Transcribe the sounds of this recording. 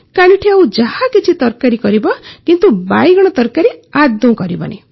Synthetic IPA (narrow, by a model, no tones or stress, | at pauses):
kaɽ̃iʈʰiaw̃d͡ʒahakit͡ʃʰit̪ɔɾkaɾikɔɾibɔkint̪ubajɡɔɽ̃ɔt̪ɔɾkaɾiad̪ːũkɔɾibɔ̰nḛ